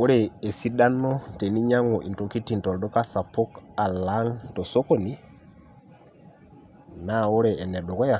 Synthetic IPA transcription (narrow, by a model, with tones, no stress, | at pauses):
wo˦ɾɛ˨e˨si˦da˦nːɔ˦te˨ni˦ɲa˦ŋɔ˨ʔḭ˨nto˨ki˦ti˨ntɔ˨ldɔ˦ka˦sa˨po˦ka˨la˦ŋto˨so˦ko˨ni˦ | na˦˨wo˦ɾɛ˨e˨nɛ˨ɗo˨ɡɔ˦ja˨